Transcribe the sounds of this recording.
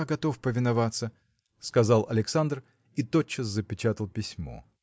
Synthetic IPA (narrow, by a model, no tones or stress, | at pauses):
aɡɐt̪o̞fpəvʲɪnɐvat̪sə | skɐzalˠɐlʲɪksand̪r | it̪ot͡ɕːəszəpʲɪt͡ɕat̪əlˠpʲɪsʲmo̰